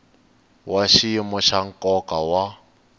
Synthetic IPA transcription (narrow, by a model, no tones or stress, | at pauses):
waʃiimɔʃaŋ̩kʼɔkawa